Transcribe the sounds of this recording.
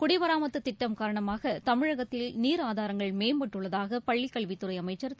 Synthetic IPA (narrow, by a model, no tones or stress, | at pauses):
kʊɽɪʋɐɾaːmɐt̪ːɯt̪ːɪʈːɐmkaːɾɐɳɐmaːɣɐt̪ɐmɪɻɐɣɐt̪ːɪlniːɾaːðaːɾɐŋɡɐɭmeːmbɐʈːɯɭːɐðaːɣɐpɐɭːɪkːɐɭʋɪt̪ːɯɾɐɪɐmɐɪt͡ʃːɐɾ